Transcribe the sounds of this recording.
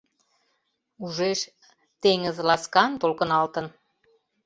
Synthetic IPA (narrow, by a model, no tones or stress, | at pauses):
uʒeʃ | t̪eŋəzlɑskɑnt̪olkə̆nɑlt̪ən